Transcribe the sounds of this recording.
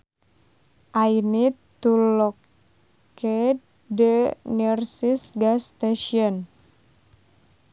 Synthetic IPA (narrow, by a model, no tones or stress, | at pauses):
ʔainit̪ulɔk | e | dənərsisɡast̪eʃiɔn